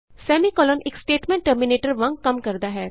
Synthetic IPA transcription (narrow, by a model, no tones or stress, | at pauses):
sɛːmikɔːlɔneːksʈeːʈmẽɳʈ̚ʈəɾmineːʈəɾʋɐ̃ŋɡ̚kɐmkɐɾd̪aɦɛː